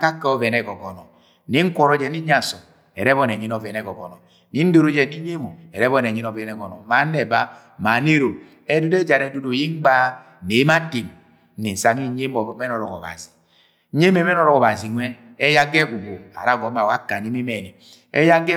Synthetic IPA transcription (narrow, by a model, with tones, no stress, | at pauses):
ka˦kːɛ˦ɔ˦vɛ˨nɛ˦˨ɡɔ˨ɡɔ˨nɔ˨ | ni˦ŋ̩˦kʷɔ˨ɾɔ˦d͡ʒɛ˨ni˦ɲ˦a˨sɔ˨ | ɛ˨ɾɛ˦βɔ˦nɛ˨ɲi˦nɔ˨vɛ˨nɛ˨ɡɔ˨ɡɔ̰˨nɔ˨ | ni˨˦n̩˦do˦ɾo˦d͡ʒɛ˨ni˦ɲe˦mo˨ɛ˨ɾɛ˦βɔ˦n˨ɛ˨ɲi˦nɔ˨vɛ˨nɛ˨ɡɔ˨nɔ̰˨ma˨˦nɛ˨ba˦ | ma˨˦ne˦ɾo˨ | ɛ˦du˦dɛ˦d͡ʒa˨ɾɛ˨˦do˨do˨ji˦ŋ˦ɡ͡ba˦ | ne˨˦ma˦te˨m˨˦ | ni˨n̩˨sa˨ŋi˦ɲe˦mɔ˨˦mɛ˦nɔ˨ɾɔ˨kɔ̰˨βa̰˨zi̥˨˦ | ɲe˦mɛ˦mɛ˦nɔ˦ɾɔ˨kɔ˨βa˨zi˨nwɛ˦ | ɛ˦ja˦ɡɛ˦ɡu˨ɡo˨a̰˨ɾa˦˨ɡɔ˨˦ma˨wa˦ka˨ni˦me˦mɛ˨ni˨ | ɛ̰˦ja˦ɡɛ˦